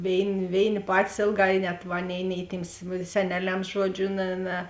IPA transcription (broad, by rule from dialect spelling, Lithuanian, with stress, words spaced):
ˈʋʲeːɪnʲɪ ˈʋʲeːɪnʲɪ ˈpɑːtʲɪs ˈeːlˠˌɡɑː ɪ nʲɛt ˈɑːˌnʲeːɪ nʲɛɪ tʲiːms sʲɛˈnʲæːˌlʲɛms ˈʒuɔˌd͡ʒʲʊ ˈnʲɛ ˈnʲɛ